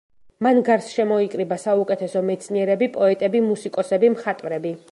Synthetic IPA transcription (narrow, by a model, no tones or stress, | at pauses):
manɡaɾsʃɛmɔikʼɾibasaukʼɛt̪ʰɛsɔmɛt̪sʰniɛɾɛbipʼɔɛt̪ʼɛbimusikʼɔsɛbimχat̪ʼvɾɛbi